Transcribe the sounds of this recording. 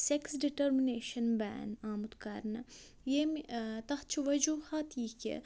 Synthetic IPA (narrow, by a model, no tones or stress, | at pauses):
seksɖiʈɐɾmineːʃɐnbɛ̰ːnaːmut̪kɐɾnɐ | jeːmt̪ɐht͡ʃʰiʋɐd͡ʒuːhaːt̪iːkḛ